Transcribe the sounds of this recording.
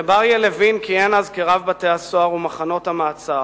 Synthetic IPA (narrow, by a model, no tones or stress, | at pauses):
baʁjelevinkienazkeʁavbat̪easoaʁumaχano̞thamaːt͡sa